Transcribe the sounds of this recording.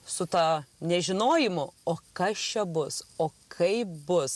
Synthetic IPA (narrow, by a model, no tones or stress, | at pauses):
sʊt̪ɑnʲɛʒʲɪnoːjɪmʊoːkɐst͡ʃʲɛbʊsoːkʰɐɪbʊs